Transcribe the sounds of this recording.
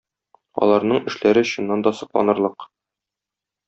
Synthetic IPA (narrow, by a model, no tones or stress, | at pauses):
ɒ̰lˠɑɾnɤɴɘ̆ʃlæɾɘɕŏnːɑnd̪ɒsɤ̆qlˠɑ̰nɤ̆ɾlˠɤq